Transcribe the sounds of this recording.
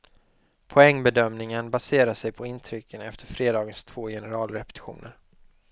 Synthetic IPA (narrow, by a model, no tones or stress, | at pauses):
pʰɔɛŋːbɛd̪œmnɪŋənbaseːɾaʂɛjpʰɔɪnt̪ʰɾʏkʰːənɛft̪ʰəɾfɾeːd̪ɑːɡənst̪ʰv̥oːjɛnɛɾɑːlɾɛpɛ̥t̪ɪ̥ɧṵːnə̰ɾ